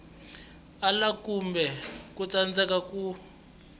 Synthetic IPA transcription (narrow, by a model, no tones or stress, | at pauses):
alakumbɛkut͡sand͡zɛkaku